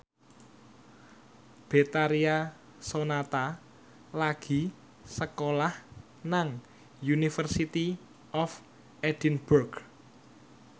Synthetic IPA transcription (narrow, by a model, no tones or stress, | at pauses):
b̥et̪aɾia | sonat̪a | laɡ̥i̤ | səkolah | naŋ | junifərsit̪i | ɔf | ɛd̪̥inburɡ